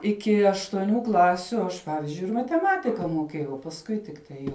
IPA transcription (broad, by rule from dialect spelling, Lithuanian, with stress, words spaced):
ˈɪkʲɪ ɐʃtuɔˈnʲuː ˈklˠɑːsʲʊ ˈɐʃ ˈpɑːʋʲɪzʲd͡ʒʲʊɪ ɪr mɐtʲɛˈmɑːtʲɪkɐ muɔˈkʲiɛjɛʊ oː pɐsˈkʊɪ tʲɪkˈtɐɪ jɛʊ